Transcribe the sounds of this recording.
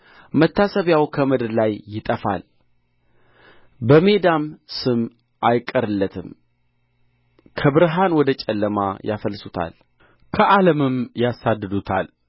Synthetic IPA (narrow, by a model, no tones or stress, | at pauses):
mət̪ːasəβjawkʰəmɨd̪ɾlajːɪt̪ʼəfa̰l | bəme̞d̪amsɨm | ʔajkʼːəɾɨlːət̪ʰɨm | kʰəβɨɾɦanwɔd̪ət͡ʃʼɛlːəma̰jʔafəlsut̪ʰa̰l | kʰəʔaləmɨmjasad̪ːɨd̪ut̪ʰal